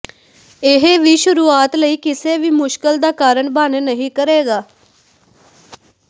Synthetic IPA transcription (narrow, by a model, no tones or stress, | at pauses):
ɪɦeʋiːʃʊɾuːaːt̪ləiːkɪseːʋiːmʊʃkəld̪aːkaːɾəɳbaːnnəɦĩːkəɾeːɡaː